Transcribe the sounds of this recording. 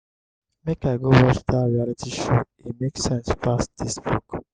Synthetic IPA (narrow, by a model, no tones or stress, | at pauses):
mekaɪɡowɔt͡ʃdaɹialitʰiʃo | imeksɛ̃nspast̚d̪̥isbuk